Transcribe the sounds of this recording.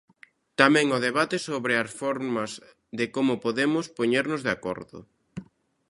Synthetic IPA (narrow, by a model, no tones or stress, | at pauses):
t̪amɛ̃ŋʊðeβat̪ɪsoβɾeasfɔɾmɐz | ðɪkomʊpoðemʊspoɲeɾnʊzðako̰ɾðʊ̰